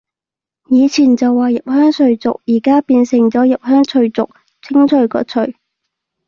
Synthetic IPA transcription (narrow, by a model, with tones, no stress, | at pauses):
jiː˨˧t͡sʰiː˨˩nt͡sɐ˨wːaː˨˩jɐ˨p̚hœː˥ŋsɵ˧ɥt͡sʊ̰˨k̚jiː˨˩kaː˥piː˧nsɪ˨˩ŋt͡sɔː˨˥jɐ˨p̚hœː˥ŋt͡sʰɵ˧ɥt͡sʊ̰˨k̚ | t͡sʰɪ˥ŋt͡ʃʰɵ˨˧ɥkɔ̰ː˧t͡sʰɵ˨ɥ